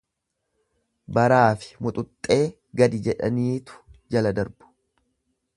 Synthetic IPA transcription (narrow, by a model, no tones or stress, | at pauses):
bɐɾaːfɪ̥mʊt̪ʼʊt̪ʼːe̞ː | ɡɐd̪ɪd͡ʒɛᶑɐ̰niːt̪ʊ̥d͡ʒɐlɐd̪ɐɾbʊ̥